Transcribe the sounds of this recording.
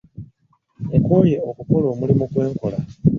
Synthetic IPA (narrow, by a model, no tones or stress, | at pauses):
ekwoje̞okukolo̞ːmulimukwe̞ːŋkola